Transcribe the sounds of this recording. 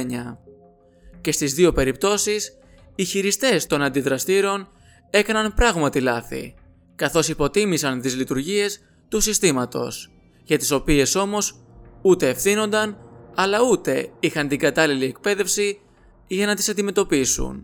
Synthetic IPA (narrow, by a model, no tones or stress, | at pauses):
ɲɐ | ce̞st̪izðio̞pe̞ɾip̚t̪o̞sis | içiɾist̪e̞st̪o̞nɐnd̪iðɾɐst̪iɾo̞n | e̞kɐnɐnpɾɐɣmɐt̪ilɐθḭ | kɐθo̞sipo̞t̪imisɐnt̪izlit̪uɾʝie̞s | t̪usist̪imɐt̪o̞̰s | ʝɐt̪i̥so̞pie̞so̞mo̞s | ut̪e̞ːfθino̞nd̪ɐnɐlɐut̪e̞ixɐnt̪iŋɡɐt̪ɐlilie̞k̚pe̞ðe̞fsi | ʝɐnɐt̪isɐnd̪ime̞t̪o̞pisṵn